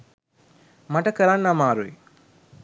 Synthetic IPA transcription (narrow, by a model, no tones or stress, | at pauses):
maʈəkəɾanːamaːɾuḛ